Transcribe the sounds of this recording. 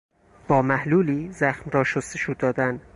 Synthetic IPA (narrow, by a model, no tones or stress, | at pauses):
b̥ɒːmæhluːliːzæxmɾɒːʃost̪eʃuːd̪ɒːd̪æn